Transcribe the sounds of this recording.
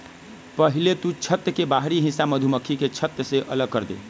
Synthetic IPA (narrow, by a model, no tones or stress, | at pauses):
pəɦilet̪ut͡ʃʰət̪jəkebaɦɾiɦĩsaməd̪ʱuməkʰːiket͡ʃʰət̪jəseʔələɡ̚kəɾd̪ḛ